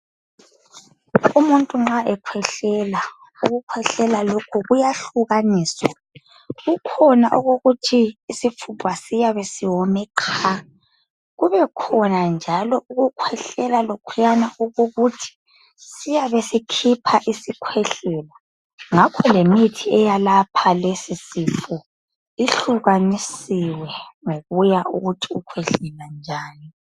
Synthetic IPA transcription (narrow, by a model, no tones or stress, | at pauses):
umuntʼuŋ͡ǁaʔɛkʰwɛɬɛla | uɣukʰwɛɬɛlalokʰuɣujaɬuɣaniːswa | ɣukʰɔnaʔuɣuɣutʰiːsifʰupʰwasijaβesiwɔmɛkʰa | ɣuβɛkʰɔnand͡ʒʱalɔuɣukʰwɛɬɛlalokʰujanauɣuɣutʰi̥ | sijaβesikʰipʰaʔisikʰwɛɬɛla | ŋakʰɔlemitʰiɛjalapʰalesisifu | iɬuɣanisiwɛŋoɣujaʔuɣutʰiukʰwɛɬɛland͡ʒʱaːni